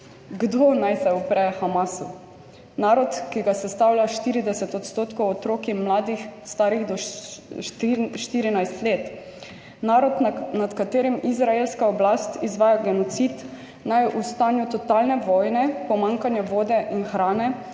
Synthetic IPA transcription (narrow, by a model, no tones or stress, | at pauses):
ɡd̪oːnajsaupɾɛxamasu | naːɾɔt̪kiɡasɛst̪awlʲjaʃt̪iːɾid̪ɛsɛt̪ɔt̪st̪oːt̪kowɔt̪ɾoːkimlaːd̪ixst̪aːɾiɣd̪ɔ | ʃt̪iːɾinajst̪leːt̪ | naːɾɔd̪nat̪kat̪eːɾimizɾaelskaɔblast̪izʋaːjaɡɛnɔt̪sit̪ | najʔust̪aːnjut̪ɔt̪alnɛʋɔjnɛpɔmãŋkanjaʋoːd̪ɛʔinxɾaːnɛ